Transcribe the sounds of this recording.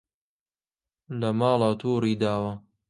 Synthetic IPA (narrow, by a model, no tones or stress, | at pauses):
lɐmɑːlɑt̪ʰuːɾiːd̪aːwɐ